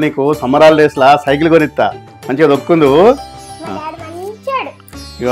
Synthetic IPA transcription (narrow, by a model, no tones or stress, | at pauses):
niːkusɐmɐɾaːlleːslasɐjk̬iluɡonit̪ːa̰ː | mɐɲt͡ʃed̪okːund̪u | t͡ʃː | i